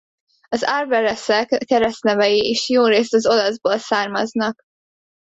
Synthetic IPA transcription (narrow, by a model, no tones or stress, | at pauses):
ɒzarvɛɾɛsɛkːɛɾɛsnɛvɛjiiʃjoːɾeːst̪ɒzo̞lɒzboːlsaːrmɒznɒk